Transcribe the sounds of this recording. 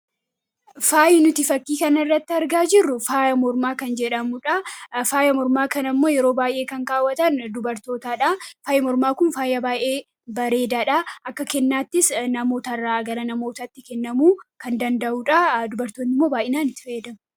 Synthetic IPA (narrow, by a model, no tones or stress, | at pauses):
faːjɪnʊt̪ɪfɐkːiːkɐnɪrːɐt̪ːɪɐɾɡaːd͡ʒɪrːʊfaːjɐmɔɾmaːkɐnd͡ʒɛᶑɐmʊᶑɐfaːjɐmɔɾmaːkɐnɐmːo̞ːjɛɾo̞ːbaːjʔe̞ːkɐŋkaːwːɐt̪ɐnd̪ʊbɐɾt̪o̞ːt̪aːᶑafaːjɐmɔɾmaːkʊnfaːjɐbaːjʔeː | bɐɾe̞ːd̪aːᶑaʔɐkːɐkɛnːaːt̪ːɪsnɐmo̞ːt̪ɐrːaːɡɐɾɐnɐmo̞ːt̪ɐt̪ːɪkɛnːɐmuːkɐnd̪ɐnd̪ɐʔuːᶑɐd̪ʊbɐɾt̪oːnːɪmːo̞ːbaːjʔɪnaːnɪt̪ːɪ̥fɐɛd̪ɐmʊ